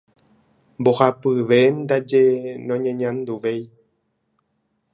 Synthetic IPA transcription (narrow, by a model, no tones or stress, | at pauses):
mbohapɨʋend̪ad͡ʒenõɲẽɲãnd̪uʋej